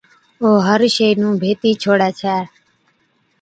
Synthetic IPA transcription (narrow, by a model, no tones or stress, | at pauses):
oːɦəɾʃeinũːbʱeːt̪iːt͡ʃʰoːɽaːt͡ʃʰɛː